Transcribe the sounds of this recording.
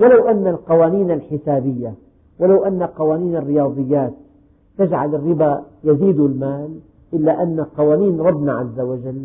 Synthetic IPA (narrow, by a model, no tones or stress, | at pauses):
walawʔanːalqɑwaːniːnalħɪsaːbɪjːa | walawʔanːalqɑwaːniːnarːɪjɑːd̪ˤɨjːaːt̪̚ː | ad͡ʒʕalɪrːɪbajaziːd̪ɪlmaːl | ʔɪlːaʔanːaqɑwaːniːnɾˤɑbːnaʕazːawad͡ʒalː